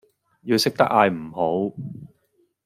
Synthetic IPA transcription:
jiː˧wsɪ˥k̚t̪ɐ˥k̚aː˧jm̩˨˩ho˨˥w

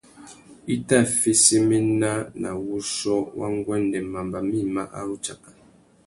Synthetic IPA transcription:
i˦ta˦˨fi˦si˦mi˦na˦na˨wu˦sɔ˦wʔa˦ŋ˦ɡwɛ˦n˦dɛ˨ma˨mba˨mi˦˨ma̰˦ʔa̰˦u˦t͡ʃa˨ʔa˨

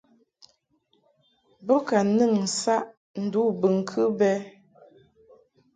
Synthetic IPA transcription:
bə˦ka˨nɨ˦˨ŋ̩˨sa˦ʔ | n̩˨du˨˦bɨ˨ŋ̩˨kʰɨ˦bɛ˦

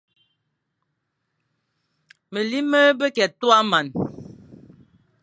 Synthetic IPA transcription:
mə˨li˦mə˦bə˦kɛ˨tu˦a˦ma˨n

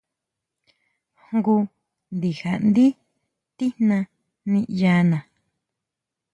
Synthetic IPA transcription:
hŋɡu˧ | nd̪i˨ha˨ʔnd̪i˦ | t̪i˦nnã˧ | nĩ˦˧ʔjaː˧nã˨

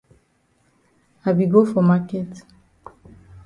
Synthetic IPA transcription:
a˨bi˨ɡo˦fo˨ma˦kɛ˦t

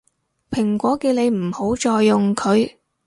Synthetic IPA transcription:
pʰɪ˨˩ŋkʷɔː˨˥ki˧wle˨˧jm̩˨˩ho˨˥wt͡ʃɔː˧jːʊ˨ŋkʰɵ˨˧ɥ

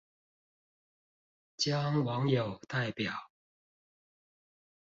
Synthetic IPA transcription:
t͡ɕjɑ˥ŋwɑ˨˧˦ŋjo˨˩ʊt̪a˥˩ɪpjɑ˨˩˦ʊ

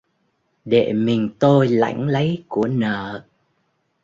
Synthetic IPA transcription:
ɗe˧˨mï˨˩ŋ̟t̪o˧jla̰˧˥jŋ̟lə˨˦jku˧˩ənəː˧˨

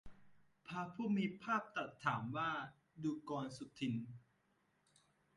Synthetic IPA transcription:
pʰaː˧pʰuː˥˩miː˧pʰaː˥˩p̚t̪a˨˩t̪ʰːaː˩˦mwaː˥˩ | duː˧kɔː˧nsu˨˩t̪ʰːi˧n

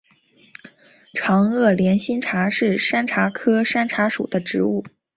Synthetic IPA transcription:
ʈ͡ʂʰɑ˧˥ŋɤ˥˩ljɛ˧˥nɕi˥nʈ͡ʂʰa˧˥ʂɻ̩˥˩ʂa˥nʈ͡ʂʰa˧˥kʰɤ˥ʂa˥nʈ͡ʂʰa˧˥ʂṵ˨˩d̪ə˦ʈ͡ʂɻ̩˧˥u˥˩

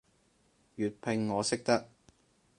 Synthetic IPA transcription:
jyː˨˩t̚pʰɪ˧ŋːɔː˨˧sɪ˥k̚t̪ɐ˥k̚

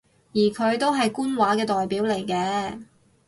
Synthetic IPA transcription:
jiː˨˩kʰɵ˨˧ɥt̪o˥wɦɐ˨jkuː˥nwaː˨˥kɛː˧t̪ɔː˨jpiː˨˥wle˨˩jkɛː˧

